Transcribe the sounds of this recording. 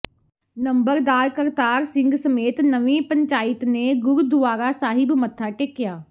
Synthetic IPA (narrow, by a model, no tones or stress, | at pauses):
nə̃mbəɾd̪aːɾkəɾt̪aːɾsɪ̃ŋɡsəmeːt̪nəʋĩːpəɲt͡ʃaːɪt̪neɡʊɾud̪ʊʋaːɾasaːɦɪbmət̪ʰːaːʈekːɪjaː